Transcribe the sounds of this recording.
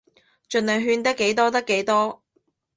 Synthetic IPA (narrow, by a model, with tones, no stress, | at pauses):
t͡ʃɵ˨nlœː˨ŋɦyː˧nt̪ɐ˥kːe˨˥jt̪ɔː˥t̪̬ɐ˥kːe˨˥jt̪ɔː˥